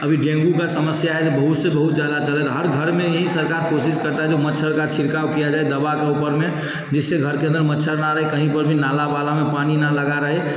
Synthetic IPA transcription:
əbʱiɖẽŋɡukasəməsjaɦɛd͡ʒebəɦut̪sebəɦut̪̚d͡ʒjaɦd̪at͡ʃəlɛt̪ɔɦəɾɡʱəɾmejəɦĩsəɾkaɾkosiskəɾt̪aɦɛd͡ʒomətːʃʰəɾkat͡ʃʰiɾkawkijad͡ʒaɛd̪əbakeupəɾme | d͡ʒeseɡʱəɾkeə̃nd̪əɾmətːʃʰəɾnaɾəɦɛkəɦĩpəɾbʱinalabalamepaninaləɡaɾəɦɛ

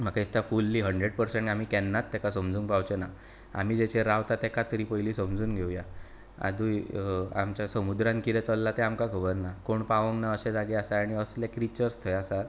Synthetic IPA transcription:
m̤akaist̪jafulːiːɦəɳɖɾeɽpəɾsẽɳʈam̤iːkɛnːat̪ːɛkasəmd͡zuːŋkpawt͡ɕena | a̰m̤iːd͡ʑɛt͡ɕeɾaʋt̪at̪ɛkat̪əɾiːpəjliːsəmd͡zuːnɡʱewja | a̰d̪uːja̰mt͡ɕjasəmud̪ɾãnkid̪ɛt͡səlːat̪ɛamkakʰəbəɾnakoɳpaʋə̃ŋɡnaəɕẽd͡zaɡeasaaɽ̃iəslɛkɾit͡ɕəɾst̪ʰəjasa

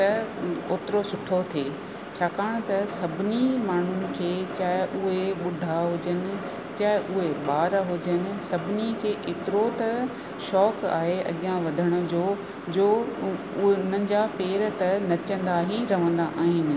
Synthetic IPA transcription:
t̪ɐoːt̪ɪɾosʊʈʰot̪ʰeː | t͡ɕʰaːkaːɽ̃t̪ɐsɐbʱɪnimaːɳ̤ʊnɪ̆kʰeːt͡ɕaːɦɪʔʊɦeɓʊɖʱaɦʊd͡ʑənɪ̆ | t͡ɕaːɦɪʔʊɦeɓaːɾɦʊd͡ʑənɪ̆sɐbʱɪnikʰeːʔɪt̪ɪɾot̪ɐ | ʃɔːka̰ːɦeɐ̰ɠɪãʋɐd̪ʱəɽ̃ʊ̆d͡ʑoː | d͡ʑoː | ʊʊn̤ənɪ̆d͡ʑaːpeːɾt̪ɐnɐt͡ɕə̃nd̪aɦiɾɐʋ̤ə̃nd̪aʔaːɦɪnɪ̆

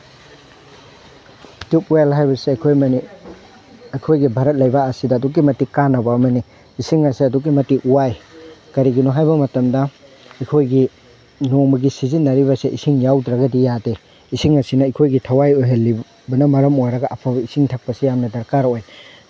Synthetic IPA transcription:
tupuelɦajbɐsiɐjkʰojmɐni | ɐjkʰojɡibʱaɾɐt̚lɐjbaːsidɐːduk̬̚ːimɐtikanːɐbɐːmɐni | isiŋɐsiɐduk̬ːimɐtiʔuwajkɐɾiɡinuɦajbɐmɐtɐmdɐ | ɐjkʰojɡi | noŋmɐɡisizinːɐɾibɐsiʔisiŋjawdɾɐɡɐdijade | isiŋɐsinɐɐjkʰojɡitʰɐwajojɦelːi | bɐnɐmɐɾɐmojɾɐɡaʔɐpʰabɐisiŋtʰak̚pɐsijamnɐdɐɾkaɾoj

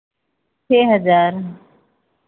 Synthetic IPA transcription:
t͡ʃʰeːɦəd͡ʒaːɾ

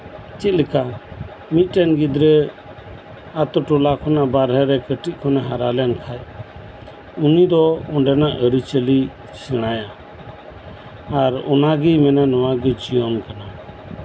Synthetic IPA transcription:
t͡ʃit̪̚lɛka | mit̪̚ˀʈɛnɡid̪ɾɛ | at̪ɔʈɔlakʰɔnabaɾɦɛɾɛkəʈit̪̚ˀkʰɔnɛɦaɾalɛankʰaj | unid̪ɔɔɳɖɛnaʔəɾit͡ʃəli | sɛɽ̃aja | ɾɔ̰naɡimɛnanɔwaɡɛd͡ʒijɔmkana

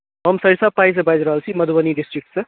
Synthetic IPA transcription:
ɦəmsəɾisapais̬ẽbajd͡ʒɾəɦəlt͡ʃʰiməd̪ʱubəniɖisʈɾik̚ʈsẽ

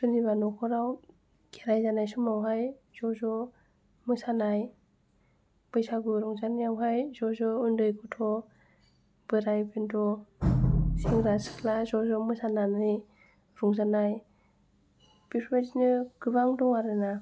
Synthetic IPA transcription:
sɔniβanɔkʰɔɾaw | ɡ̥eɾajzanajsumawɦajz̥ɔzɔ | mɯsanaj | b̥ɯjsaɡɯɾɔŋzanijawɦajzɔzɔundɯjkʰutʰɔ | b̥ɯɾajbendɔ | siŋɾasɯ̥kʰlazɔzɔmɯsananɯj | ɾɔŋzanaj | b̥ipʰmetinɯɡɯbaŋdɔŋaɾɯna

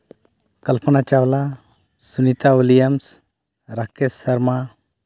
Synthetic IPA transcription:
kəlpənat͡ʃawla | sunit̪aulijəms | ɾakɛsəɾma

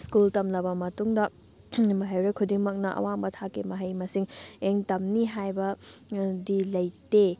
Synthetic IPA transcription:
skultɐmnɐbɐmɐtuŋdɐ | mɐɦɐjɾekʰudiŋmɐk̚nɐʔɐ̰wambɐtʰakːimɐɦɐjmɐsiŋeŋtɐmniɦajbɐ | dilɐjte

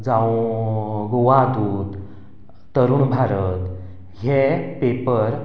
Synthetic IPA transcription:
d͡zawũ | ɡoʋad̪uːt̪ | t̪əɾuːɳbʱaɾət̪ | ɦepepəɾ

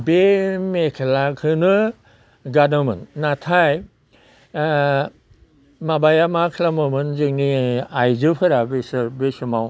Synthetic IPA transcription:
bemekʰelakʰɯnɯ | ɡadɯmɯ̰nːatʰaj | mabajamakʰlamɯmɯnzɯŋniajzɯpʰɯɾabisɯɾbesumaw

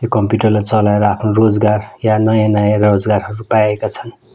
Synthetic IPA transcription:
jokʌmpjuʈʌrlat͡sʌlaeɾʌapʰnorod͡zɡarjanʌjãnʌjãrod͡zɡarɦʌɾupajekat͡sʰʌn

